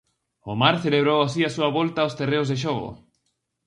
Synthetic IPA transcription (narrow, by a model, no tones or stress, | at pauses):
omaɾθeleβ̞ɾowasiasuaβɔlt̪aost̪ereʊzðeʃ̬ɔɣo̰